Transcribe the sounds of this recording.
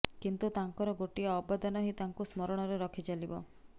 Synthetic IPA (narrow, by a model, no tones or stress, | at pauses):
kint̪ut̪aŋkɔɾɔɡoʈiaɔbad̪anɔɦit̪aŋkusmɔɾɔɽ̃ɔɾeɾɔkʰit͡ʃalibɔ